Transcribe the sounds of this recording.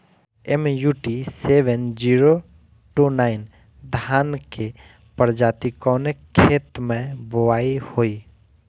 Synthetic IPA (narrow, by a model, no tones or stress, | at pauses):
emjuːʈiseːʋend͡ʒiːɾo | ʈunaːɪn | d̪ʱaːnke | pəɾd͡ʒaːt̪ikɔnekʰːeːt̪mẽbʊʋaːihoːiː